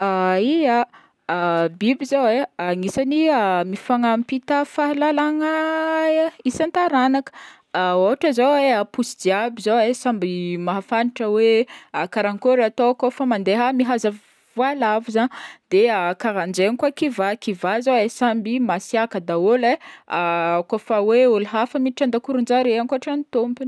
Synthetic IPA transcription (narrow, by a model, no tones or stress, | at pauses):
aia | bibizoweaŋisaniamifaŋampit̪əfaɦlalaŋa | isant̪aɾanakə̥ | oɦaʈ͡ʂəzoweapusid̪iabizoesambimaɦafaniʈ͡ʂəweakaɾaŋkoɾat̪okofamand̪eɦamiɦaza | vualavuzand̪eakaɾand͡ʒenikwakivakivazaesambimasiakəd̪aoleakofaweolɦafəmiʈ͡ʂand̪akuɾund͡ʒaɾeaŋkuaʈ͡ʂanit̪ompin